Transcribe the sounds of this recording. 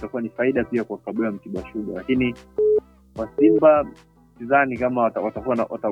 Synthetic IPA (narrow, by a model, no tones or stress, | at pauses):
takuwanifaiɗapiakwakaɓɛam̩tiɓaʃuɡalakini | wasimba | m̩tizanikamawtawatakuanawa̰ta